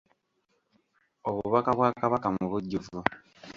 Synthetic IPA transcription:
oβuβakaβwaːkaβakamuβuɟːuvu

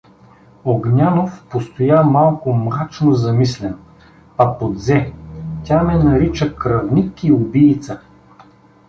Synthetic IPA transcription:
oɡnʲanofpost̪ojamalˠkʊmɾat͡ʃnozɐmislɛn | pɐpod̪zɛtʲamɛnɐɾit͡ʃəkɾɐvnʲikiʊbiːt̪sə

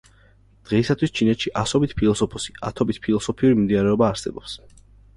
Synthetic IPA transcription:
d̪̥ʁɛisat̪ʰwist͡ʃʰinɛt̪ʃiʔasɔbit̪̚ʰpʰilˠɔsɔpʰɔsi̥a̰t̪ʰɔbit̪̚ʰpʰilˠɔsɔpʰiuɾimimd̪inaɾɛɔbaːɾsɛ̰bɔps

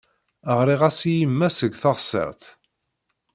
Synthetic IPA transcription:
əʁɾˤiʁæsijimːæsəɡʷθɑʁsˤːə̰ʁt̪

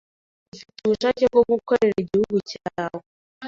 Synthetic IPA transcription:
ufituβuʃaːcebɡoɡukoɾe̞ɾaɟihuɡucaːwoe

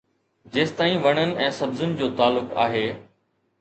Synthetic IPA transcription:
d͡ʑeːst̪aːĩʋɐɽ̃ənɪ̆ɛ̃ːsɐbzənɪ̆d͡ʑoːt̪aːlːʊka̰ːɦeː

